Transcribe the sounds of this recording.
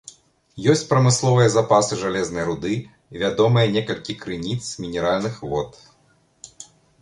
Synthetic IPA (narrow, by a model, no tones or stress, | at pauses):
jɔsʲt͡sʲpɾɐmɨslˠɔvɨjɐzapasɨʐalʲɛznɐjɾud̪ɨ | vʲad̪ɔmɨjɐnʲɛkɐlʲkʲikɾɨnʲit̪smʲinʲɛɾalʲnɨxvɔt̪